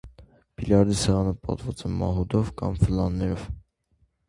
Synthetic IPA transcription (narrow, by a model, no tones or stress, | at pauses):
b̥iljɑɾd̪isɛʁɑnəpɑ̰t̪vɑt͡sɛmɑ̰ɦud̪ɔvkɑ̰mfəlɑnːɛɾɔv̥